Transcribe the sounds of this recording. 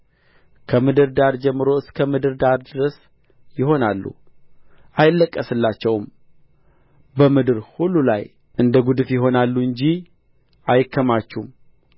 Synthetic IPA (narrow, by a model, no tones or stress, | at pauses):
kʰəmɨd̪ɨɾd̪aɾd͡ʒɛmːɨɾo̞ɨskʰəmɨd̪ɨɾd̪aɾd̪ɨɾəs | jɪho̞nalːṵ | ʔajɪlːəkʼːəsɨlːat͡ʃːɛwm | bəmɨd̪ɨɾhulːula̰j | ʔɨnd̪əɡud̪ɨfjɪɦo̞nalːuɨɲd͡ʒi | ʔajɪkʰːəmat͡ʃːum